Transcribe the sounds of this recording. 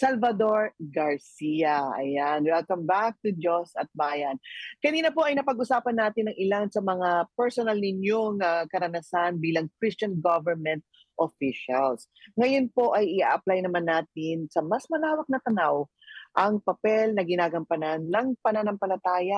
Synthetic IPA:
sɐlvɐd̪o̞ɹɡɐɹsijɐʔɐ̰janwɛlkɐmbak̚t̪ʊd͡ʒosɐt̪̚baːjɐnkɐniːnɐpo̞ʔɐjnɐpɐɡʔʊsaːpɐnːaːt̪ɪnːɐŋʔɪlansɐmɐŋapɛɹsonɐlnɪɲjoŋakɐɾɐnɐsanbiːlɐŋkɾɪst͡ʃɐnɡovɛɹmɛ̃nt̪̚ | ʔofiʃɐls | ŋɐjo̞npo̞ʔɐjɪʔaʔɐplajnɐmanːaːt̪̚ɪnsɐmɐsmɐlaːwɐk̚nɐt̪ɐnaw | ʔɐŋpɐpɛlnɐɡɪnaːɡɐmpɐnanːɐŋpɐnanɐŋpɐlɐt̪aːjɐ

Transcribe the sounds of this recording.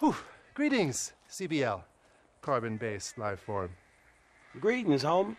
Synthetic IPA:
huɡ̥ɹiɾɪ̃ŋz̥sibiɛlˠ | kʰɑɹbɨ̃nbeɪslaɪv̥ɔɹm | ɡɹiɾɪ̃ŋzhõʊ̃m

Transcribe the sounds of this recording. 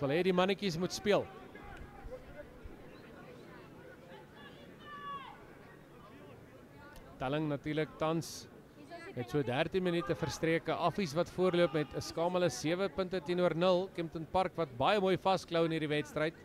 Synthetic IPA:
əlɦɛdimɐnəkis̬mutspiəlˠ | tɛləŋnɐtyːrlək̚tɐns | mɛtsuədærtinmənytəfərstriəkəʔɐfis̬vɐtfuərluəpmɛtəskɑːmələsiəvəpəntətinuərnəlˠkɛmtənpɐrkvɐt̚bɐjəmuːjfɐskləwənɦiːrdivɛtstrəjt

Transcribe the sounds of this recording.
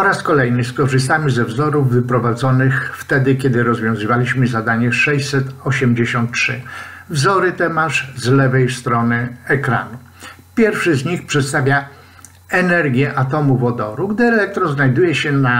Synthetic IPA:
ɔɾaskɔlɛjnɘskɔʐɘs̬t̪amʲizɛvzɔɾuvːɘpɾɔvad̪zɔnɘxft̪ɛd̪ɘkʲɛd̪ɘɾɔzvʲjɔ̃w̃zɘvalʲiɕmɘzad̪aɲɛʂɛɕsɛt̪ɔɕɛmd͡ʑeɕɔnt̪̚tʂɘ̰vzɔɾɘt̪ɛmaʂzlɛvɛjst̪ɾɔnɘɛkɾa̰nu | pʲjɛɾfʂɘzɲixpʂɛt̪st̪avʲja | ɛnɛɾɡʲjɛʔat̪̬ɔmuvɔd̪ɔɾuɡd̪ɘɛlɛk̚t̪ɾɔznajd̪ujɛɕɛna

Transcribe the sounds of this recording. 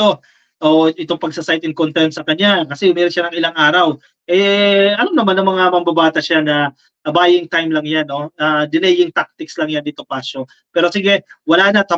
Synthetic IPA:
o | ʔoːʔʔɪt̪o̞ŋpɐɡ̚sasajt̪ɪŋkont̪ɛɾnsɐkɐɲakɐsɛhʊmiːɾɪʃanɐŋɪlaŋʔaːɾɐw | ʔɛɐlomnɐmanːɐŋmɐŋamɐmbɐbaːt̪ɐʃanɐ | ɐbaːjɪŋt̪ajmlɐŋjanːo̞ad̪ɪlɛjɪŋt̪ak̚t̪ɪkslɐŋjand̪ɪt̪o̞paso̞ | pɛːɾo̞siɡɛwɐlaːnɐt̪ɐ

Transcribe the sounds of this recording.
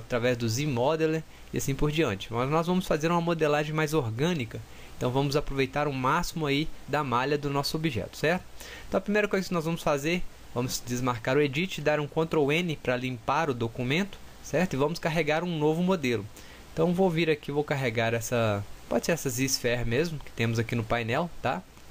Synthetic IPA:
at̪ɾavɛzd̪ʊzimɔd̪eleɾ | iasĩpoɾd͡ʒiɐ̃nt͡ʃɪ̥mɐznɔzvɐ̃mʊsfazeɾũmɐmod̪elaʒẽj̃majzoɾɡɐ̃nikɐ | ẽt̪ɐ̃w̃vɐ̃mʊzapɾovejt̪aɾũmasimʊaid̪ɐmaʎɐd̪ʊnɔsʊobiʒɛ̰t̪ʊ̥sɛɾt̪ʊ̥̃ | t̪ɐ̃w̃ɐpɾimejɾɐkojzɐkɪnɔzvɐ̃mʊsfazeɾ | vɐ̃mʊzd͡ʒ̪ɪzmaɾkaɾʊed͡ʒit͡ʃɪɪd̪aɾũkõt̪ɾowẽnɪpɾɐlĩpaɾʊd̪okumẽnt̪ʊ̥sɛɾt̪ʊɪvɐ̃mʊskaɦeɡaɾũnovʊmod̪elʊ | ẽt̪ɐ̃w̃vowviɾakivowkaɦeɡaɾɛsɐpɔd͡ʒɪseɾɛsɐzisfɛɾmezmʊkɪ̥t̪ẽmʊzakinʊpajnɛwt̪a̰

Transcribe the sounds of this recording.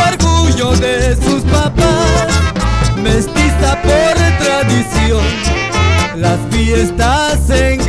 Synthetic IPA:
eɾɣuʝoðesuspapasmest̪isapoɾt̪ɾaðisjon | lasfjest̪aseŋ

